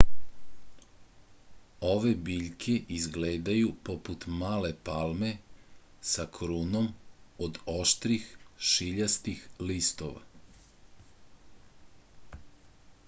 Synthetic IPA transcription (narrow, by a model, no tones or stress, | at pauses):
o̞ʋe̞biːʎkʰeʔizɡleːd̪ajupoput̪maːle̞palme̞ | sakʰɾuno̞mod̪oʃt̪ɾixʃiʎast̪ixlist̪oʋa̰